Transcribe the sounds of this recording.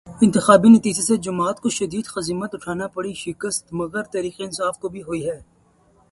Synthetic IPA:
ɪ̃nt̪ɪxaːbinɐt̪iːd͡ʒesed͡ʒɐmaːt̪koʃɐd̪iːd̪xɐziːmət̪ʊʈʰaːnapɐɽiʃɪkəst̪mɐɣəɾt̪ɐɾiːqeɪ̃nsaːfkobʱiɦoiɦɛː

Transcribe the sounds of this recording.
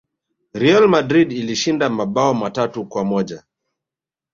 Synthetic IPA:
ɾialmadɾidiliʃindamaɓaɔmatatukwamɔʄa

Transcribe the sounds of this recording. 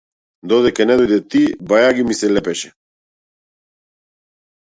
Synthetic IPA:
d̪oðekeneðud̪et̪ibajaɣimiselepeʃe

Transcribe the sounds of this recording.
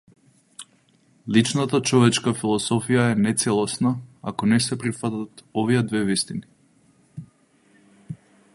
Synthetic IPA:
lit͡ʃnat̪at͡ʃɔvɛt͡ʃkafilˠɔsɔfijaɛnɛt̪sɛlˠɔsnaa̰kɔnɛsɛpɾifat̪at̪ɔvijɛd̪vɛvist̪ini

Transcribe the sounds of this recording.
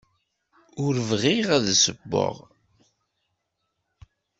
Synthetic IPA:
ʊɾəvʁiʁæðsəbːo̰ʁ

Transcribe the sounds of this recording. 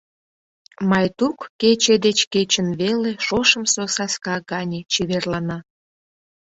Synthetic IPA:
mɑjt̪ukːet͡ɕed̪et͡ɕket͡ɕənβeleʃoʃə̆msosɑskɑɡɑnʲet͡ɕiβerlɑnɑ

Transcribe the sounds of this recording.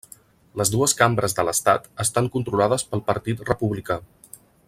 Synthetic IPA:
ləzd̪uəskambɾəzðələst̪at̪əst̪aŋkunt̪ɾulaðəspəlˠpəɾt̪it̪rəpuβlika

